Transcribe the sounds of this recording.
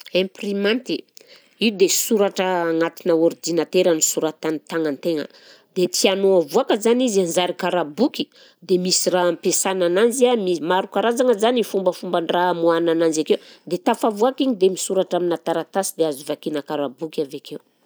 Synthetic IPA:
emprimãnt̪i | iud̪esuɾaʈ͡ʂəːŋat̪inəuɾid͡ʒinat̪eɾanisuɾat̪anit̪aŋant̪eŋə̰ | d̪et̪ianoavuakəzanizanzaɾikaɾabuki̥ | d̪emisirampesanananziamimaɾukaɾazaŋəzanifumbəfumbəɳramuanananzakewd̪et̪afavuakiɲid̪emisuɾaʈ͡ʂaminat̪aɾat̪asid̪eazuvakinəkaɾabukavakew

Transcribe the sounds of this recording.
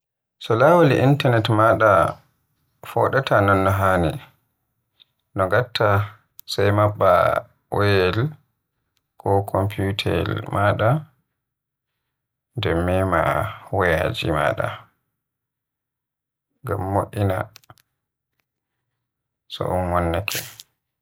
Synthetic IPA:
sɔlawaliʔintanɛtmaɗa | fɔɗatʰanɔnːɔɦani | nɔɡatːa | sajmaɓːa̰ | wɔjɛl | kʰɔkʰɔmpʰiutʰɛ̰lmaɗa | ndɛmːɛmawɔjad͡ʒḭma̰ɗa̰ | ŋɡamːoʔina | sɔ̰ʔɔnwɔnːɛkʰɛ

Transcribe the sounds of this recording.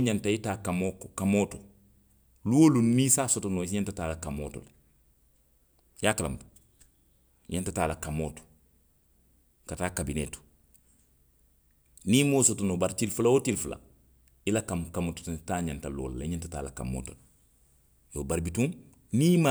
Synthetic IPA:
ɲantaitaːkamokkamoːto | luwolunnisaːsotonosɲantataːlakamo̰ːto̰l | jaːkala̰m | ɲantataːlakamoːto̥ | kataːkabinḛːtu̥ | niːmoːsotonobaɾtilfulaotilfula̰ | ilakamkamoto̥ttaːɲantalo̰ːlaliɲantata̰ːla̰ka̰mːo̰ːtol | jobaɾbitũŋ | niːma

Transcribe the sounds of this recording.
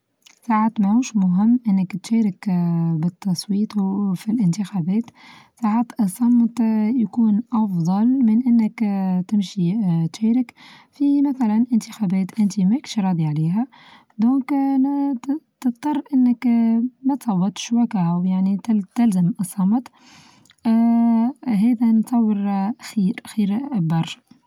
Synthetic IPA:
saʕaːt̪mahuːʃmʊɦɪmːʔɪnːɪkt̪ʃɛːɾɪkbɪt̪ːɑsˤwiːt̪ˤfilʔɪnt̪ɪxæːbɛːt̪saːʕaːt̪sˤːɑmt̪jakuːnʔɑfðˤɑlmɪnʔɪnːɪkt̪ɪmʃit̪ʃɛːɾɪkfimæθælænʔɪnt̪əxæːbɛːt̪ʔɪnt̪imækʃɾˤɑːd̪iʕaliːɦæ | d̪õːk | t̪əft̪ˤɑrˤːʔɪnːəkmæt̪sˤɑwːɑt̪ʃwækahawjaʕnit̪ɪlzamɨsˤːɑmt̪ˤ | ɦɛːðænsˤɑwːəɾxiːɾxiːɾbɑrˤː

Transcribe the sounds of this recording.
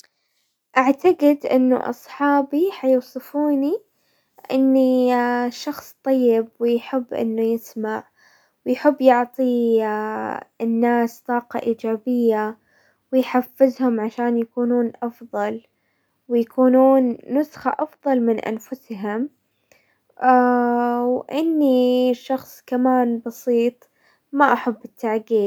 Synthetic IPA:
ʔaʕt̪aɡɪd̪ʔɪnːʊ̰ʔɑ̰sˤħɑːbiħɑjʊwsˤɨfuːni | ʔɪnːiʃɑxsˤt̪ˤɑjːɪbwɪjħɪbːʔɪ̰nːʊjɪsmaʕ | wɪjħɪbːjʊʕt̪ˤi | ɪnːaːst̪ˤɑːqɑ̰ʔiːd͡ʒaːbɪjːa | wɪjħafːɪzhʊmʕaʃaːnjakuːnuːnʔɑfðˤɑl | wɪjakuːnuːnːʊsxaʔɑfðˤɑlmɪnʔa̰nfʊsɦʊm | wʔɪnːiʃːɑxsˤkamaːnbɑsiːt̪ˤ | maʔaħabːɪt̪ːaʕɡiː

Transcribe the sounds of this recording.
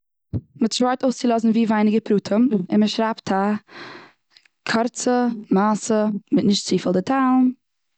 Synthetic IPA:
mɪtʃvaɪtoʊst͡sɪlˠɔzn̩viːvaɪnɪɡəpɾuːtʰəmɪnməʃɾaptʰa | kʰɔɾt͡səmaːsəmɪtnɪʃtt͡siːfəlˠdɪtʰaʊm

